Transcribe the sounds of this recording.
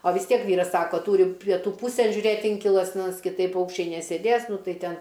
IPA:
oː ʋʲɪs ˈtʲiɛk ˈʋʲiːrɐs ˈsɑːkoː ˈtuːrʲɪ pʲiɛˈtuː ˈpuːsʲeːn ʒʲʊˈrʲeːt ˈɪŋʲkʲɪlˠɐs nʲɛs kʲɪˈtɐɪp ˈpɐʊkʃʲt͡ʃʲɛɪ nʲɛsʲeːˈdʲeːs ˈnʊ ˈtɐɪ ˈtʲɛn

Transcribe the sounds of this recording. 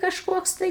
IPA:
kɐʃˈkoːks tɐɪ

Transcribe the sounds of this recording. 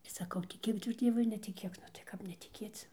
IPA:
sɐˈkɐʊ tʲɪˈkʲeːk tʊ ˈd͡zʲiɛʋʊɪ ɐr nʲɛtʲɪˈkʲeːk nʊ tɐɪ ˈkɐp nʲɛtʲɪˈkʲeːt͡s

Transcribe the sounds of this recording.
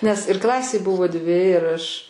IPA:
nʲɛs ɪr ˈklˠɑːsʲeːj ˈbʊʋoː ˈdʲʋʲɪ ɪr ˈɐʃ

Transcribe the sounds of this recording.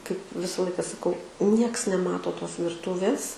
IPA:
kɐɪp ˈʋʲɪsɐ ˈlˠɐɪkɐ sɐˈkɐʊ ˈnʲiɛks nʲɛˈmɑːtoː ˈtoːs ʋʲɪrˈtuːʋʲeːs

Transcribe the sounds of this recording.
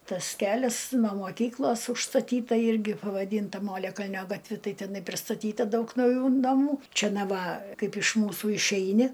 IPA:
ˈtɐs ˈkʲæːlʲɛs noː moːˈkʲiːklˠoːs ʊʃstɐˈtʲiːtɐ ˈɪrʲɡʲɪ pɐʋɐˈdʲiːntɐ ˈmoːlʲɛkɐlʲnʲoː ɡɐtʲˈʋʲɪ ˈtɐɪ tʲɛˈnɐɪ pʲrʲɪstɐˈtʲiːtɐ ˈdɐʊk nɐʊˈjuː nɐˈmuː ˈt͡ʃʲɛ ˈnɐ ˈʋɐ ˈkɐɪp ɪʃ ˈmuːsuː ɪʃʲˈɛɪnʲɪ

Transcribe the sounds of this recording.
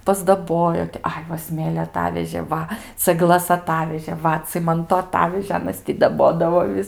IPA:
pɐzdɐˈboːjoː tʲɪ ˈɐɪ ʋɐ ˈsʲmʲeːlʲoː ɐˈtɑːʋʲɛʒʲeː ˈʋɐ t͡sɐɡˈlˠɐs ɐˈtɑːʋʲɛʒʲeː ˈʋɐ ˈt͡sʲɪmɐntoː ɐˈtɑːʋʲɛʒʲeː ˈɑːnɐs tʲɪ dɐˈboːdɐʋoː ˈʋʲɪs

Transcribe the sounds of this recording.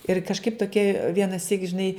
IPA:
ɪr kɐʃˈkɐɪp toːˈkʲiɛ ʋʲiɛnɐˈsʲiːk ʒʲɪˈnɐɪ

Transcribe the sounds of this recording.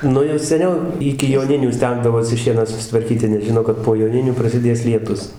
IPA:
ˈnʊ jɛʊ sʲɛˈnʲɛʊ ˈɪkʲɪ joːˈnʲɪnʲuː ˈsʲtʲɛŋɡdɐʋoːsʲɪ ˈʃʲiɛnɑː sʊsʲɪtʋɐrʲˈkʲiːtʲɪ nʲɛs ˈʒʲɪnoː kɐt poː joːˈnʲɪnʲuː prɐsʲɪˈdʲeːs lʲiɛˈtʊs

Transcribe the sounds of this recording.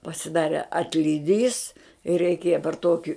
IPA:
pɐsʲɪˈdɑːrʲɛ ɐtʲlʲɪˈdʲiːs ɪr rʲɛɪˈkʲeːjɛ pɐr toːkʲɪ

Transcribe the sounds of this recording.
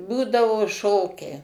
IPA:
ˈbuːdɐʋoː ˈʃoːkʲɛɪ

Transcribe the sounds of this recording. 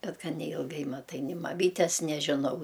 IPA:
ˈbʲɛt ˈɡɐn nʲɛɪlˠˈɡɐɪ mɐˈtɐɪ nʲɪ mɐˈmʲiːtʲɛs nʲɛʒʲɪˈnɐʊ

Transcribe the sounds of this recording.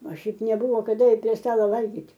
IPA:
oː ˈʃʲɛɪp nʲɛˈbʊʋoː kɐˈdɐ ɪr pʲrʲiɛ ˈstɑːlˠoː ˈʋɐlʲɡʲiːtʲ

